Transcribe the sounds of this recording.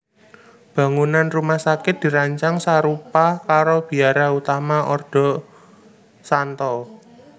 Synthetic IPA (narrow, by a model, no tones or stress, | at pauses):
b̥ä̤ŋunanrumahsakɪt̪̚d̪̥i̤ɾaɲt͡ʃaŋsaɾupakaɾob̥i̤aɾaut̪amaʔɔrd̥ɔ̤ | sant̪ɔ